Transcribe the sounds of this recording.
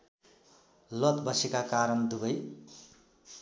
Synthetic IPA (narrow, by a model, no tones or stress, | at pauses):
lʌt̪bʌsekakaɾʌnd̪ubʌj